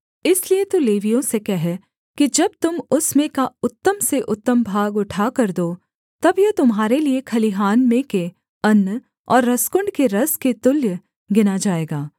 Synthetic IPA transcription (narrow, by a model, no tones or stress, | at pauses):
ɪsliet̪uleːʋijõsekɛɦɛ | kid͡ʒɐb̚t̪ʊmʊsmẽkaʊt̪ːəmseʔʊt̪ːəmbʱaːɡʊʈʰakɐɾd̪oː | t̪ɐbjɐt̪ʊmɦaːɾeliekʰɐliɦaːnmẽke | ɐnː | ɔ̰ːɾːɐskʊɳɖkeɾɐsket̪ʊljə | ɡɪnad͡ʒaːeːɡaː